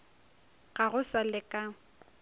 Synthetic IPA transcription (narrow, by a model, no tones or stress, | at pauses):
ɣaɣʊsalɪkʼa